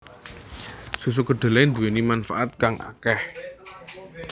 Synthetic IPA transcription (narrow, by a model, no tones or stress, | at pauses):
sus̬uɡ̥ə̤ɖ̥ə̤lɛnd̪uwenimanfaʔat̪̚kaŋʔa̰kɛh